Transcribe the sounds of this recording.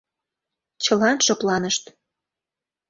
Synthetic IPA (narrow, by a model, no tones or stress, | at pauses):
t͡ɕəlɑnʃoplɑnəʃt̪